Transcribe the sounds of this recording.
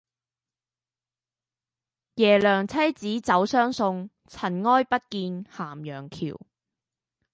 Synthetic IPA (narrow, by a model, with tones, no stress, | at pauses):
jɛː˨˩lœː˨˩ŋt͡sʰɐ˥jt͡siː˨˥t͡sɐ˨˧˥wsœː˥ŋsʊ˧ŋ | t͡sʰɐ˨˩nŋɔː˥jpɐ˥t̚kiː˧nhaː˨˩mjœː˨˩ŋkʰḭː˨˩w